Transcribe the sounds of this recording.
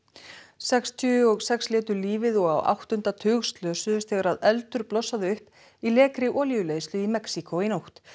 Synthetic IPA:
sɛkst̪ʰʏɔɣsɛkslɪːt̪ʏɾliːvɪðɔɣawʔa̰wht̪ʏn̥t̪at̪ʰʏːɣst̪lœːsʏðʏst̪θɛːɣaɾaðɛlt̪ʏɾplɔsːaðɪʏhp | ilɛːkɾɪʔɔːljʏleːjst̪lʏimɛksikʰoinowht̪

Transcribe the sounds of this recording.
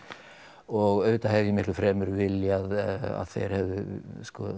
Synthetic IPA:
ɔɣœvɪt̪ahɛvjɪmɪht̪lʏfɾɛːmʏɾvɪljaða̰ðθḛjɾ̥hɛvðʏskɔ

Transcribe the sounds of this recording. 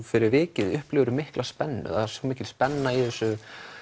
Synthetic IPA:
fɪɾɪɾvɪːcɪðʏhplɪːɣɾʏmɪhklaspɛnːʏ̰ðasomiːcɪlspɛnːaiðɛsːʏ

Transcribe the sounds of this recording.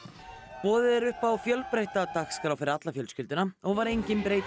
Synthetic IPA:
pɔːðɪðɛɾʏhpawfjœlpɾejht̪at̪axskɾawfɪɾɪɾat̪lafjœlscʏlt̪ɪnaɔɣvaɾejɲcɪnpɾejt̪

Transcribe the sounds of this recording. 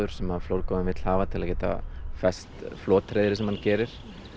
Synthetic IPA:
ʏɾ̥sɛmaðflowɾkɔmɪmɪt̪l̥haːvat̪ʰɪlacɛːt̪a̰fɛst̪flɔːt̪ɾejðɾɪsɛmhancɛːɾɪɾ̥

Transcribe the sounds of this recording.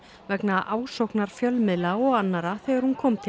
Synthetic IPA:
vɛknaʔaːwsowknaɾ̥fjœlmɪðlaɔɣanːaɾaθɛːɣaɾhunkʰɔːmt̪ʰɪ

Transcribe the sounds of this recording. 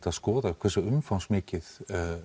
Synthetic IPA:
t̪aðskɔːðakvɛsʏʏmfawnsmɪːcɪð

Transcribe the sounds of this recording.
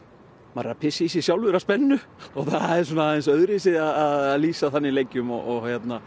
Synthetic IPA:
maɾapʰɪsɪisɪsjawlvʏɾaspɛnːʏɔɣθaðɛɾsɔnːaaɛnsœðɾɪsɪaðaðaðliːsaθanːɪilejcːʏmɔ̰ɔɣhjɛt̪na

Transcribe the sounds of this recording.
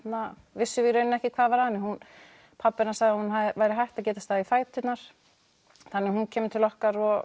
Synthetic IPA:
t̪na | vɪsːʏvɪɾœːɥnɛhcɪkʰvaːðvaɾhanːɪhun | pʰapːɪnasaɣðɪahunɦaðɪvaːjɾɪɦajht̪aðc̬ɛːt̪ast̪aːðifaːjt̪ʏt̪naɾ̥ | θanːɪhuncʰɛːmɪt̪ʰɪlɔhkaɾɔ

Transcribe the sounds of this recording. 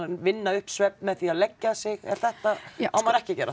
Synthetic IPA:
vɪnːaʏhpsvɛpmɛðθiaðlɛcːasɪɣɛ̰ɾ̥θɛht̪aawmaɾɛhcɪcɛːɾa

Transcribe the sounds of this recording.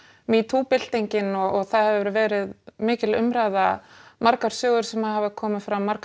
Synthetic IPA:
mit̪ʰuːpɪl̥t̪iɲcɪnɔɔɣθaðhɛvvɛɾʏvɛːɾɪðmɪːcɪlʏ̰mɾajðamaɾkaɾ̥sjœːɣðʏɾ̥sɛmaðhaːvɪkʰɔːmɪfɾawːaɾk

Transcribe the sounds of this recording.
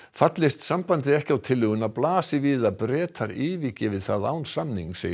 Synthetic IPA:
fat̪lɪst̪sampant̪ɪɛhcawt̪ʰɪlːʏːɣʏnaðplaːsɪviːðapɾɛːt̪ʰaɾɪːviːcɪvɪðθaða̰ːwnsamniŋsɛːj

